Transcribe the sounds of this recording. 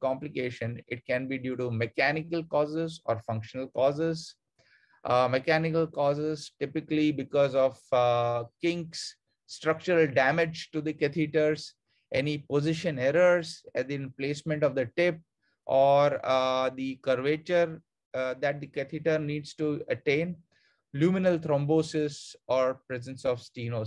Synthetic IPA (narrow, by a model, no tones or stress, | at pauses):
kɔ̃mplɪkeːʃə̃nɪʈ̚kɛ̃nbiːɖjuːʈumekænɪkəlkɔːzɪzɔ̰ːɾfʌ̃ŋkʃənəlkɔːzɪz | mekænɪkəlkɔːzɪzʈɪpɪklibɪkɔːzɔʋ | kɪ̃ŋks | sːʈɾʌk̚t͡ʃəɾəlɖæmɪd͡ʒʈud̪ikɛt̪ʰiʈəɾz | ʔenipozɪʃə̃nɛɾəɾzɛd̪iɪmpleːsmə̃ɳʈɔʋd̪əʈɪp̚ | ʔɔːɾd̪ikəɾʋeːt͡ʃəɾ | d̪æʈ̚d̪ikɛt̪ʰiʈəɾniːɖsʈuəʈẽːn | ljuːmɪnəlt̪ʰɾɔ̃mboːsɪzɔːɾpɾɛzə̃nsɔʋsʈiːnoːs